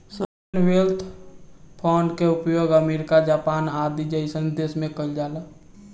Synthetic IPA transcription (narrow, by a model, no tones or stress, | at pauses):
sə | nʋelt̪ʰpʰaːɳɖkeʊpjoːɡəmeːɾɪkad͡ʒaːpaːnaːd̪id͡ʒəisə̃nd̪eːsmẽkəld͡ʒaːla